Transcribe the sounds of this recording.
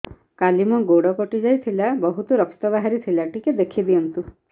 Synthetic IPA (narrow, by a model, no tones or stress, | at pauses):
kalimɔɡoɽɔkɔʈid͡ʒajt̪ʰilabɔɦut̪ɔɾɔkt̪ɔbaɦaɾit̪ʰilaʈiked̪ekʰib̪iɔnt̪u